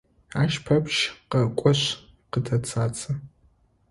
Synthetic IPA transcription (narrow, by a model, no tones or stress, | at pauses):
aːʃpʰɐpʃqɐkʷʼɔɕ | qətʰɐt͡sʰaːt͡sʰʼɐ